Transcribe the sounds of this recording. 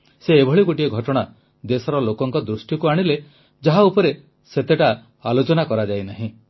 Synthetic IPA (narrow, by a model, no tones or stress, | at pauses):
seːbʱɔɭiɡoʈieɡʱɔʈɔɽ̃a | d̪esɔɾɔlokɔŋkɔd̪ɾusʈjɔkuaɽ̃ile | d͡ʒaɦaupɔɾe | set̪eʈa | alot͡ʃɔnakɔɾad͡ʒajnaɦĩ